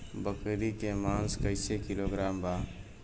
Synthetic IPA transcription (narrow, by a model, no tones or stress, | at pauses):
bəkɾikemaːnskəɪsekɪloɡɾaːmbaː